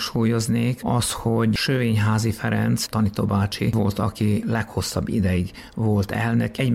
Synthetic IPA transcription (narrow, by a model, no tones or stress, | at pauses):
ʃuːjo̞zneːkɒst̪hoɟʃøveːɲɦaːzifɛɾɛ̰nt̪st̪ɒnit̪o̰baːt͡ʃḭvo̞lt̪ɒkilɛkho̞sːɒbːḭd̪ɛjiɡ | vo̞lt̪ɛlnøkɛɟ